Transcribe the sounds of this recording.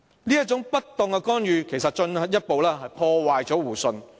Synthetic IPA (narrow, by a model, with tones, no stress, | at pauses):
niː˥jɐ˥t̚t͡sʊ˨˥ŋpɐ˥tt̪ʊ˨ŋkɛ˧kɔː˥njyː˨kʰe˨˩sɐ˨t̚t͡ʃɵ˧nhɐ˨t̚jɐ˥t̚po˨wlɛː˥ɦɐ˨jpʰɔː˧waː˨jt͡sɔː˨˥wuː˨˩sɵ˧n